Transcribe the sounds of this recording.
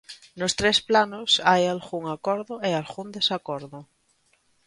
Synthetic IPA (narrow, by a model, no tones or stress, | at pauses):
nost̪ɾesplanosajalxuŋakoɾðoealxund̪esakoɾðo